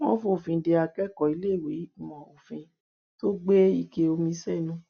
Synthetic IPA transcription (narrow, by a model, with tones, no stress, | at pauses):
w̃ɔ̃˦fõ˧o˨fĩ˧de˧a˧kɛ˦˨kɔ˨i˨˦le˦˨we˨˦˨mɔ̃˨o˨fĩ˧ | to˦ɡ͡be˦i˦˨ke˧o˧mĩ˧˦sɛ˦˨nũ˧˦